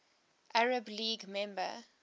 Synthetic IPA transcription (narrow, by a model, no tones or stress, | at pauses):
ʔaɹəbliːɡmɛ̃mbə̰